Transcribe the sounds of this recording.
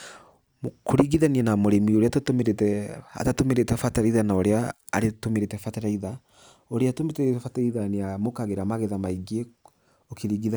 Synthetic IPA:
mkʰoɾiɣiðanianamoɾemioɾeatatomeɾetɛa̰tatomeɾetɛfataɾaiðanaoɾea̰ː | ɾetomeɾetɛfataɾaiða | oɾeatometeetɛfataiðaneamokaɣeɾamaɣeðamaiɡe | okʰeɾiɣiða

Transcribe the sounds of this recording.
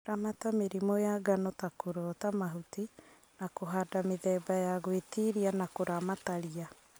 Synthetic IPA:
ɾamatameɾimɔjaɡanɔtakoɾɔtamaɦuti | nakoɦadameðɛːbajaɣwetiɾianakoɾamataɾia

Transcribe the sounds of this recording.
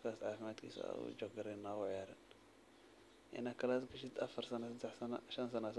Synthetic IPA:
kaːsʕaːfɪmaːd̪kʰḭːsa̰ṵd͡ʒɔɡɡɐɾɛnaːɣʊʕɪjaːɾɪ̰n | ʔɪ̰nɐkɐlaːt̪ɡɐʃɪt̪ɐfɐɾsɐnɐsɐd̪ɛħsɐnɐʃɐnsɐnas

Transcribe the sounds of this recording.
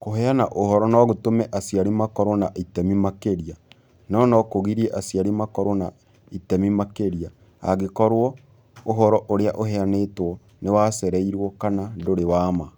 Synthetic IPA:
koɦɛanaʔohɔɾɔnɔɣotomɛʔasiaɾimakɔɾɔnaʔitɛmimakeɾia | nɔnɔkoɣiɾieʔasiaɾimakɔɾona | itɛmimakeɾia | a̰ɣekɔɾwɔ | oɦɔɾɔʔoɾeaʔoɦɛanetwɔ | newasɛɾɛiɾwɔkanadoɾewaːma

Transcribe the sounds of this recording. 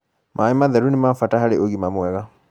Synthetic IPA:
mʔaimaðɛɾunimafatahaɾeʔoɣimamwɛɣa

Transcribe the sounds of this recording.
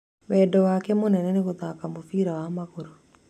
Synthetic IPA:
wɛdɔwakɛmonɛnɛneɣoðakamofiɾawamaɣoɾo

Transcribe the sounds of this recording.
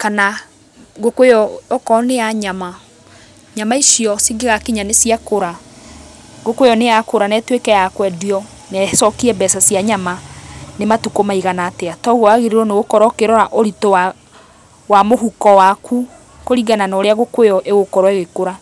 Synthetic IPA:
kana | ɣokwejɔɔkɔnejaɲama | ɲamaisiɔsiɡeɣakiɲanesjakoɾa | ɡokwejɔnejakoɾanɛtwekɛjakwɛdiɔ | nɛsɔkiɾɛbɛsasiaɲamanematukomaiɣanaːteatɔɣɔaɣeɾeɾɔneɣokɔɾɔkeɾɔɾaʔoɾitoa | wamoɦukɔwakʰu | koɾiɡananɔɾeaɣokwejɔʔeɣokɔɾɔeɣekoɾa

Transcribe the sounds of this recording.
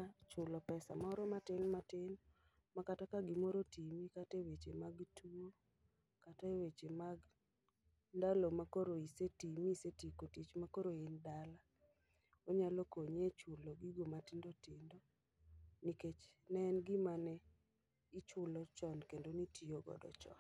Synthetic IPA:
t͡ʃʊlɔpɛsa̰maɔɾɔmatɪnmatɪn | makatakaɡɪmoɾotimikatewet͡ʃemaɡtuo | katawet͡ʃemaɡ | ndalomakoɾoisetimisetikotit͡ʃmakoɾoendala | oɲalokoɲɛt͡ʃʊloɡiɡomatɪndɔtɪndo | niket͡ʃ | nɛnɡɪmanɛ | it͡ʃʊlɔt͡ʃɔnkendonitioɡɔ̰dɔ̰t͡ʃɔ̰n

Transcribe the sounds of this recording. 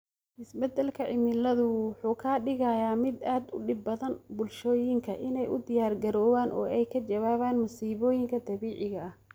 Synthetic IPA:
ʔɪsbɛd̪ɐlkʰɐʕɪmɪlɐðʊwʊħuːkʰaːɖɪɣɐjaːmɪd̪aːd̪ʊ̰ɖɪb̚ːɐðɐnbʊlʃɔːjɪŋkʰɐ̰ʔɪnɛjʔʊd̪ɪjaːrɡɐɾɔːwaːnʔɔ̰ːɛjkʰɐt͡ʃɐβaːβaːnmʊsiːβɔːjɪŋkʰɐd̪ɐβiːʕɪɣɐʔɐh

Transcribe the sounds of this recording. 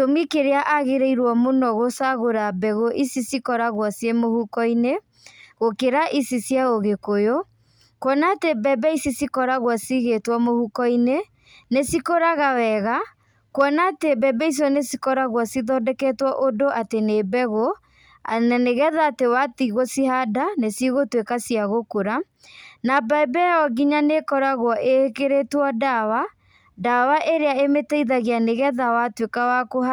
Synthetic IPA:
tomikeɾeaʔaɣeɾeiɾwɔmonɔɣosaɣoɾabɛɣoʔisisikɔɾaɣwɔsjemohukɔine | ɣokeɾaʔisisjaoɣekojo | kwɔnatebɛbɛisisikɔɾaɣwasiɣetwɔmohukɔine | nesikoɾaɣawɛɣa | kwɔnaːtebɛbɛis̬ɔnesikɔɾaɣwɔsiðɔdɛkɛtwɔʔodoʔatenebɛɣo | naneɣɛðaːtewatiɣosiɦadanesiɣotwekasiaɣokoɾa | nabaɛbɛɔɣiɲanekɔɾaɣwɔʔekeɾetwɔdawa | dawaʔeɾeaemetɛiðaɣianeɣɛðawatwekawakoɦa

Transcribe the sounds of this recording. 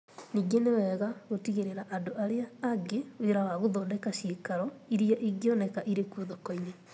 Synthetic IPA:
niɡenewɛːɣaɣotiɣeɾeɾaʔandoaɾeaːɡeweɾawaɣoðɔːndɛkaɕeːkaɾɔiɾiaʔiɡeɔnɛkaʔiɾekuoðɔkɔiɲe

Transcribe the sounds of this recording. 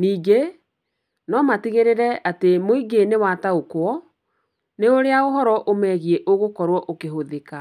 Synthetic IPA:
niːɡe | nɔmatiɣeɾeɾɛatemoiɡenewataokwɔ | neoɾeaoɦɔɾɔʔomɛɣiɛʔoɣokɔɾwɔʔokeɦoðeka

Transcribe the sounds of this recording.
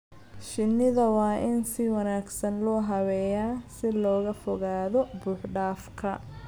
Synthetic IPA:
ʃɪnːɪðɐwɑːʔɪnsɪwɑnaːɡsɐnlɔːɦɐwɛjaːsɪlɔːɣɐfɔɣaːðɔbuːħɖaːfkʰɐ

